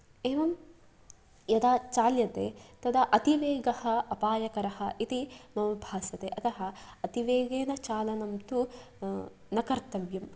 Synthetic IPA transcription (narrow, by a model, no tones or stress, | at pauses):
eːʋɐm | jɐd̪aːt͡ʃaːljɐt̪eːt̪ɐd̪ɐʔɐt̪iʋeːɡɐhɐ̆ɐpaːjɐkɐɾɐhɐ̆ʔit̪imɐmɐbʱaːsɐt̪eːʔɐt̪ɐɦɐ̆ɐt̪iʋeːɡeːnɐt͡ʃaːlɐnɐmt̪u | nɐkɐɾt̪ɐʋjɐm